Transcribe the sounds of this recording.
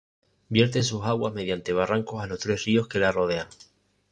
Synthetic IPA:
bje̞ɾt̪e̞nsusaɣwazme̞ðjant̪e̞β̞araŋko̞salo̞st̪ɾe̞srio̞hke̞laro̞ðe̞aŋ

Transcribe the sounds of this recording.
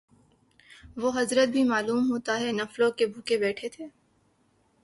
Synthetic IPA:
ʋoɦɐzɾət̪̚bʱimaːluːmɦoːt̪aɦɛnɐflõkebʱukebɛːʈʰet̪ʰeː

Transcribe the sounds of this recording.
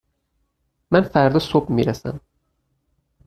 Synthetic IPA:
mænfæɾd̪isobmiɾæsæ̰m

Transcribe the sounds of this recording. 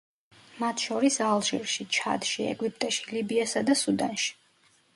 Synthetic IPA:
mat̪ʰʃɔɾisalˠʒḭɾʃit͡ʃʰa̰d̪ʃiɛ̰ɡwip̚ʼt̪ʼaʃilibiasad̪asud̪anʃi̥

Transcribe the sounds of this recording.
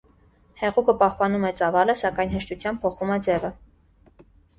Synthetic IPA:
hɛʁukʰəpɑhpɑnumɛt͡sɑvɑləsɑkɑjnɦəʃt̪ut͡sʰjɑm̚pʰɔχumɛd͡zɛvə

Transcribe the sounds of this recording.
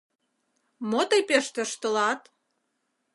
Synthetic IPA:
mot̪əjpeʃt̪ə̆ʃt̪ə̆lɑt̪

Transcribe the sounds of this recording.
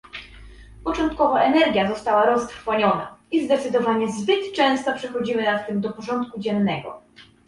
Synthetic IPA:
pɔt͡ʂɔnt̪kɔvaʔɛnɛɾɡʲjazɔst̪awaɾɔst̪ɾfɔɲɔna̰izd̪ɛt̪sɘd̪ɔvaɲɛzbɘt̪t͡ʂɛ̃w̃st̪ɔpʂɛxɔd͡ʑimɘnat̪t̪ːɘmd̪ɔpɔʐɔnt̪kud͡ʑɛnːɛɡɔ̰

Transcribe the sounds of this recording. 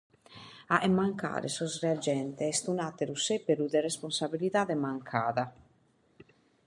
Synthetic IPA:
aʔemːaŋka̰ːɾḛsɔsread͡ʒɛnt̪eɛst̪unat̪eɾusepːeɾud̪eresponsabilit̪ad̪emaŋkʰaːða

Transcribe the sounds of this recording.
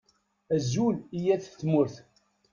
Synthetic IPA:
æzulijæθt͡sːmʊɾθ

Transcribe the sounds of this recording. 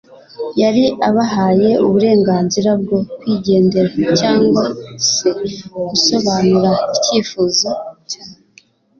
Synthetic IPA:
jaɾiaβaɦaːje̞uβuɾe̞ːŋɡaːnziɾab̚ɡo̞kwiːɟe̞ːnde̞ɾacaːŋɡwase̞ɡuso̞βanuɾaiciːfuːzo

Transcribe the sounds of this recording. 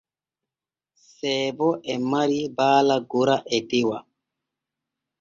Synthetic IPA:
sɛːbɔʔɛmaɾibaːlaɡoɾaʔɛtewa

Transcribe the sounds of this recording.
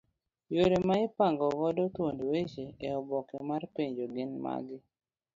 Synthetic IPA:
joɾemaɪpaŋɡɔβɔdɔt̪wondwet͡ʃeeɔbɔkɛmarpeɲd͡ʒoɡɪnma̰ɡɪ

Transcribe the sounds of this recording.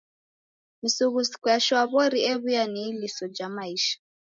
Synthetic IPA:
misuɣusi̥kujaʃwaβɔɾiɛβujanilisɔd͡ʒamaiːʃḁ

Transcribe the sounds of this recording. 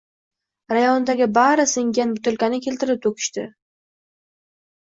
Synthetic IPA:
ɾajɒnd̪aɡʲɪbaɾɪsɪŋɡʲanbʊt̪ʰʊlkʲanɪkʲʰe̞lt̪ɪɾɪp̚t̪ʰokʲʰɪ̥ʃt̪ɪ

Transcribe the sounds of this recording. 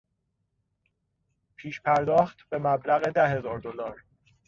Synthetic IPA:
pʰiːʃpʰæɾd̪ɒːxt̪b̥e̞mæblæɣe̞d̪æhe̞zɒːɾd̪olɒːɾ

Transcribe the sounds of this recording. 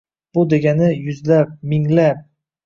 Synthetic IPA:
b̥ʊd̪e̞ɡʲanɪjʊzlap̚mɪŋlap̚

